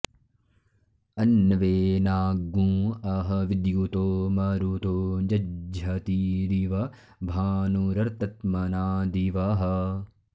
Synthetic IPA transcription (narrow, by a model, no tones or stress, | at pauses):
ɐnːʋeːnaːɡːũːɐɦɐʋid̪jut̪oːmɐɾut̪oːd͡ʒɐd͡ʒʱɐt̪iɾiʋɐ | bʱaːnuɾɐɾt̪ɐt̪mɐnaːd̪iʋɐɦɐ